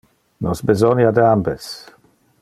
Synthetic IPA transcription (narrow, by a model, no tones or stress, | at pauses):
nɔsbezɔnjad̪əambes